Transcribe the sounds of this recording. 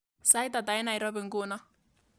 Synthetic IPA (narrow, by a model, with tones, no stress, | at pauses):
sa˦jt̪a˨ta˨ɪ˦na˨ɪ˨ɾɔ˦bɪ˨ŋɡʊ˦˨na˦